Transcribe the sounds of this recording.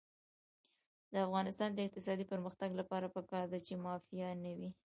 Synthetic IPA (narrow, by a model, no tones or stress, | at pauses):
d̪əafɣɑnɪst̪ɑnd̪əɪq̚t̪ɪsɑd̪ipəɾməxt̪aɡlapɑɾapəkɑɾd̪at͡ʃemɑfijanəwi